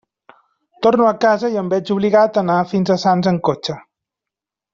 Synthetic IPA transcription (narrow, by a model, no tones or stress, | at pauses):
t̪oɾnuəkazəiəmbɛt͡ʃuβliɣat̪ənafinzəsanzəŋkot͡ʃə